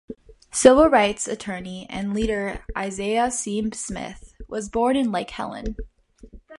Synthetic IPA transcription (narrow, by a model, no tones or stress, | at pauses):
sɪvl̩ˠɹaɪtsɨtʰɜ˞niɨ̰̃nliɾə˞ʔaɪzeɪəsĩmsmɪ̰θwʌzbɔɹnɨ̃nlaɪkhɛ̰lˠə̰̃n